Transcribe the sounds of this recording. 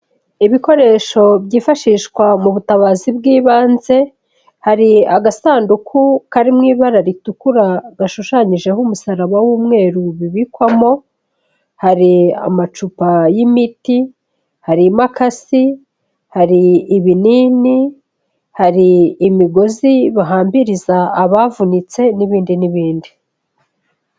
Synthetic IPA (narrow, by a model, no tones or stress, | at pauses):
iβiko̞ɾe̞ʃo̞bɟiːfaʃiːʃkwamuβutaβaːzibɡiːβaːnze̞ | haɾiaɡasaːndukʰukaɾimŋiːβaɾaɾitukuɾaɡaʃuʃaɲiʒe̞humusaɾaβawumŋe̞ːɾuβiβikwamo̞ | haɾia̰mat͡ʃupajimiti | haɾimakasi | haɾiːβinini | haɾiːmiɡo̞ziβaɦaːmbiɾizaːβavunit͡se̞niβiːndiniβiːndi